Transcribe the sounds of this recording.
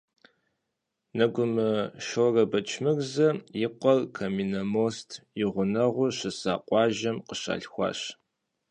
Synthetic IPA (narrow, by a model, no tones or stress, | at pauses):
nɐɡʷʊmɨʃorɐbɐt͡ʃʰmɨrzɐjɪqʷɔlkʰɐmiːnɐmoːstʰjɪʁʷʊnɐʁʷʊʃɨsa̰ːqʷʼɑːʒɐmqəɕa̰ːɬxʷɑ̰ːɕ